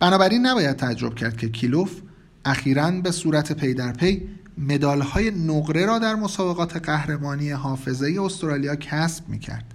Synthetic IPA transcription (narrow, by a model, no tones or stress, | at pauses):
b̥ænɒːbæɾiːnːæbɒːjæd̪̚t̪ʰææd͡ʒːo̞b̥̚cʰæɾd̪̚cʰe̞cʰilof | ʔæxiːɾænbe̞suːɾæt̪ʰe̞pʰe̞jd̪æɾpʰe̞jme̞d̪ɒːlhɒːje̞noɢɾe̞ɾɒːd̪æɾmo̞sɒːbe̞ɣɒːt̪ʰe̞ɢæhɾe̞mɒːnije̞ɦɒːfe̞ze̞je̞ost̪ɾɒːlijɒːcʰæsb̥̚mḭːcʰæ̰ɾd̪̥